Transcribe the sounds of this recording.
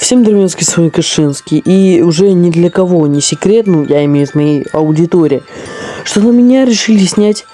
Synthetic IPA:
fsʲemd̪rmʲenskʲɪsvɐikɐʂɨnskʲɪjʔiʊʐɛnʲɪd̪lʲəkɐvo̞nʲɪsʲɪkɾʲe̞t̪nujaɪmʲejʲzmɐjejɐʊdʲɪt̪oɾʲɪjɪʂt̪onəmʲɪnʲaɾʲɪʂɨlʲɪsʲnʲætʲ

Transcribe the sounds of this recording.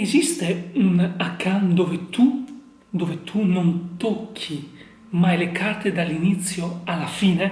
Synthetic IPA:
ezist̪eunakːand̪ovet̪u | d̪ovet̪ʰunont̪okʰːi | majlekʰart̪ed̪alːinit̪sːjoalafiːne

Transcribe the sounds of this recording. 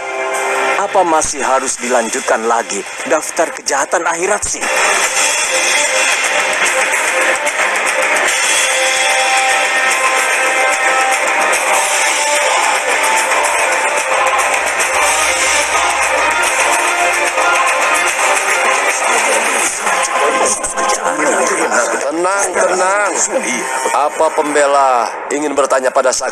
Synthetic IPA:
ʔapamasɪhɦaɾʊsdilaɲd͡ʒut̪̚kanlaɡi | daft̪arkəd͡ʒaɦat̪anaiɾat̪̚sɪh | nt̪ənaŋt̪ənaŋ | apapəmbela | iŋɪnbərt̪aɲapadasa

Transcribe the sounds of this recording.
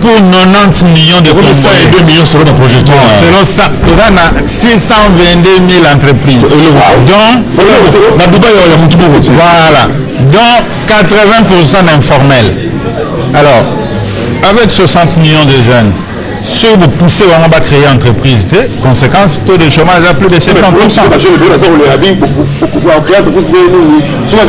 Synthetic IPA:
puʁnɔnɑ̃t̪miljɔ̃d̪əɔ̃sɛɛd̪ømiljɔ̃səlɔ̃d̪pʁoʒɛk̚t̪wɛssəlɔ̃sãtuvana | sisɑ̃vɛ̃d̪ømilɑ̃t̪χəpχizd̪ɔ̃ | ladubajajamũt̪ubuvwala | d̪ɔ̃ | kat̪ʁəvɛ̃puʁsɑ̃dɛ̃fɔʁmɛl | alɔːʁ | avɛkswasɑ̃t̪miljɔ̃d̪əʒɛn | søbupusebamɔ̃bakχeeɑ̃t̪χəpχiztekɔ̃sekɑ̃st̪od̪əʃomaʒaplyd̪əsɛ̃kɑ̃t̪̚pusɑ̃ʒazaoleabĩkãkχẽt̪əpisdenĩi | su

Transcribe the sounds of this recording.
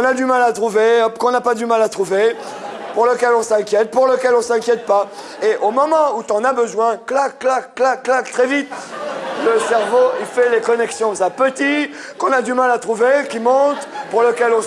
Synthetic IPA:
ɔ̃nad̪ymalat̪χuvekɔ̃napad̪ymalat̪χuve | puʁləkʲɛlɔ̃sɛ̃kʲjɛt̪̚puʁləkʲɛlɔ̃sɛ̃kʲjɛt̪̚pa | eʔomɔmɑ̃ut̪ɑ̃nabəzwɛ̃klakːlakːlakːlakt̪χɛvit̪ləsɛʁvoifɛlekɔnɛksjɔ̃sapət̪i | kɔ̃nad̪ymalat̪χuvekʲimɔ̃t̪puʁləkʲɛlɔ̃

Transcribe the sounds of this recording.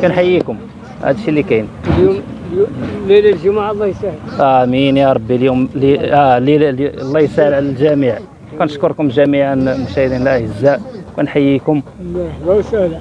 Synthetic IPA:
kænħajːikʊm | hæ̰d̪əʃilːikænljumllːillʒumaʕlˤːɑjsahəlʔæminjɑɾˤɑbːiljumliælillˤːɑjəsahəlʕalælʒæmiʕ | kænəʃkoɾkʊmʒæmiʕanmʊʃæhəd̪inəlʔæʕəzːaʔkænħajːikʊmmɑɾˤħb̪ɑwsəhla

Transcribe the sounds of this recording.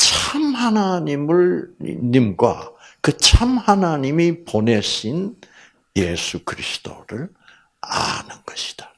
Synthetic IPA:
t͡ɕʰamhanaɲimɯɭ̰ɲimɡwa̰kɯt͡ɕʰamhanaɲimipone̞ɕʰin | je̞sʰukɯɾisʰɯ̥d̥o̰ɾɯɭ | a̰nɯnɡ̥ʌɕʰi̥d̥ḁ

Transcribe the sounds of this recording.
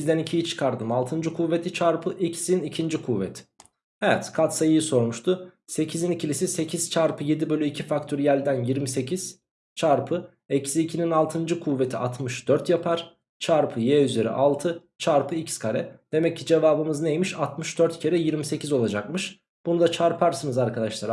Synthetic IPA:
bizd̪ænicʰijit͡ʃʰɯ̥kʰaɾd̪ɯmalˠt̪ʰɯnd͡ʒɯkʰuve̞t̪ʰit͡ʃʰaɾpʰɯʔicsinicʰind͡ʒikʰuvet̪ʰ | ɛvɛt̪kʰat̪sajɯjɯso̞ɾmuʃt̪ʰʊse̞cʰizinicʰilʲisise̞cʰiz̥t͡ʃʰaɾpʰɯje̞d̪ibø̞lʲyicʰifakt̪ʰyɾjælʲd̪ænjiɾmise̞cʰiz̥ | t͡ʃʰaɾpʰɯ | ecsiːcʰininalˠt̪ʰɯnd͡ʒɯkʰuve̞t̪ʰiat̪ʰmɯʃd̪̥øɾt̪japʰaɾ̥ | t͡ʃʰaɾpʰɯjɛyze̞ɾɛ̰ʔalˠt̪ʰɯ | t͡ʃʰaɾpʰɯicskʰaɾɛd̪̥e̞mɛcːid͡ʒe̞vaːbɯmɯznejmiʃat̪mɯʃd̪øɾt̪cʰe̞ɾɛjiɾmise̞cʰizo̞lˠad͡ʒakmɯʃ | b̥unud̪at͡ʃʰaɾpʰaɾsɯnɯzaɾkʰad̪aʃlˠaɾ

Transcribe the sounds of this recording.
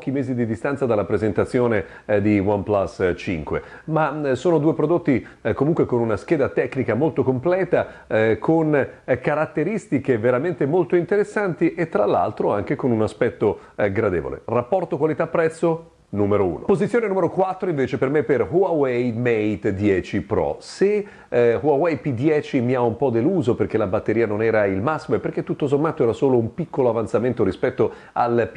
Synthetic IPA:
pɔːk̟imeːzid̪id̪ist̪ansad̪alːapɾezent̪at̪sːjoːne | d̪iwamplasːt͡ʃḭŋkwḛ | masoːnod̪uːepɾod̪ot̪ːi | komuŋkwekonunask̟eːd̪at̪ɛkːnikamolt̪okomplɛːt̪a | kʰonkaɾat̪ːeɾist̪ikeveɾament̪emolt̪oint̪eɾesːant̪iʔet̪ːɾalːa̰lt̪ɾoaŋk̟ekonunaspɛt̪ːo | ɡɾad̪ḛvo̰lḛrapːɔrt̪okwalit̪apːɾɛt̪sːo | numeɾoṵːnopozit̪sːjoːnenumeɾokwat̪ːɾoiɱveːt͡ʃepermepːerhuawɛjmɛjt̪d̪jɛːt͡ʃipɾɔ̰se | huawɛjpid̪jɛːt͡ʃimiaumpɔd̪eluːzoperk̟elabat̪ːeɾiːanonɛːɾailmasːimoepːerk̟et̪ːut̪ːosomːaːt̪oɛːɾasoːloumpikːoloavant̪sament̪oɾispɛt̪ːo | a̰lp

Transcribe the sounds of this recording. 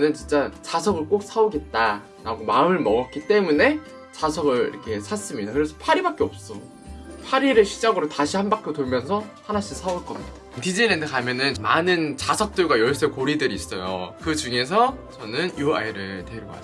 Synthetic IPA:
nɯnt͡ɕint͡ɕ͈at͡ɕasʰʌɡɯɭk͈ok̚s͈ʰaoɡe̞t̚t͈a | ɾaɡomaɯmɯɭmʌɡʌt̚k͈it͈e̞mune̞ | t͡ɕasʰʌɡɯɾḭɾʌkʰe̞sʰas͈ɯmɲidakɯɾe̞sʰʌpʰaɾibak͈e̞ʌp̚s͈ʌ | pʰaɾiɾɯɭɕʰid͡ʑaɡɯɾotaɕʰihanbak͈jotoɭmjʌnsʰʌhanaɕʰimsʰauɭk͈ʌmɲi̥d̥ḁtid͡ʑiɭːendʰɯkamjʌnɯnmanɯnt͡ɕasʰʌk̚t͈ɯɭɡwajʌɭs͈ekoɾidɯɾiːs͈ʌjo̰kɯt͡ɕuŋe̞s̬ʰʌt͡ɕʌnɯnjua̰iɾɯɭteɾjoa̰

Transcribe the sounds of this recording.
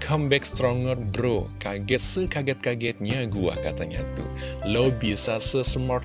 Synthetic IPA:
kʰɐmbekst̪ɾɔŋɡɐɾbɾokaɡesɨkaɡet̪̚kaɡet̪ɲãɡuwa̰ka̰t̪ɐŋã̰t̪ṵ | ləwbisasɨsɨmɔʈ

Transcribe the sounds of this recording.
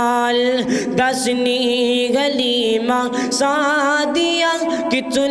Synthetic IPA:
l | d̪ɐsniɡɐlima | sad̪ija | kit̪u

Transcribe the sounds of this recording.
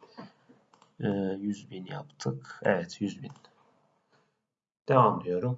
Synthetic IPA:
jyzbinjɑpt̪ʰɯkæɛt̪ʰjyzbin | d̪̥ɛvamd̪ijoɾum

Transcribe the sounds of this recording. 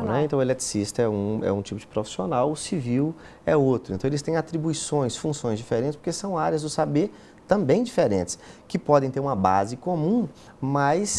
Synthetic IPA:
nɛẽnt̪ɐ̃w̃elet̪ɾi̥sist̪ɐɛũɛ̰ũt͡ʃipʊd͡ʒɪpɾofi̥sionawʊsiviw | ɛot̪ɾʊẽnt̪ɐ̃w̃elɪst̪ẽj̃at̪ɾibuisõj̃sfũsõj̃zd͡ʒifeɾẽt̪t͡ʃɪspo̥ɾkesɐ̃w̃aɾjɐzd̪ʊsabeɾ | t̪ɐ̃mbẽj̃d͡ʒifeɾḛ̃nt͡ʃɪ̥skɪpɔd̪ẽj̃t̪eɾũmɐba̰zɪkomũ | mɐjs

